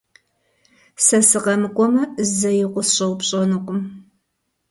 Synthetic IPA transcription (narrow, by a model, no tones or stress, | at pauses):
sɐsɨqɐmɨkʷʼɔmɐzɐjɪqʷʊsɕʼɐwpɕʼɐnuqʷʼʊm